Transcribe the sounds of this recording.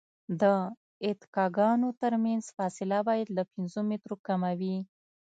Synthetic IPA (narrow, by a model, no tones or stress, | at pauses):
d̪ə | ɪt̪ɪ̥kɑɡɑnot̪əɾmanzfɑsɪlabɑjad̪lapɪnzomɪt̪ɾokamawi